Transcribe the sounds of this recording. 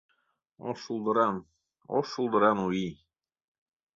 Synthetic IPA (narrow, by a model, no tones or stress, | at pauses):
o̰ʃulˠd̪ɤ̆ɾɑm | o̰ʃulˠd̪ɤ̆ɾɑnuji